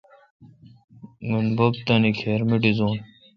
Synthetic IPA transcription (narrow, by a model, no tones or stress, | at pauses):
ŋɡunbobt̪ɐnikʰeːɾmiɖizoːn